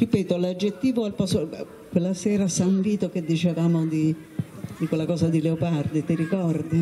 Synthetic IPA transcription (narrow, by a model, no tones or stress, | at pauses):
ripɛːt̪olad͡ʒːet̪ːiːvoalpaso | kwelːasɛːɾasaɱviːt̪oked̪ːit͡ʃevaːmod̪i | d̪ikwelːakɔːzad̪ileopard̪it̪iɾikɔrd̪i